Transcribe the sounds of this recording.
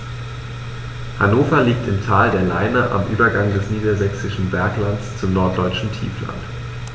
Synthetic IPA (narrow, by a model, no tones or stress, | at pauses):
hanoːfɐliːk̚tɪmtʰaːldeːɐlaɪnəʔa̰mʔy̰ːbɐɡaŋdɛsniːdɐzɛksɪʃn̩vɛɐklant͡st͡sʊmnɔɐt̚d̥ɔʏt͡ʃn̩tʰḭːfla̰nt